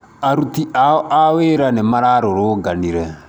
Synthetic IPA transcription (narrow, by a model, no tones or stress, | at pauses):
aɾut̪iʔaɔʔaweːɾanɛmaɾaɾoɾoɡaniɾɛ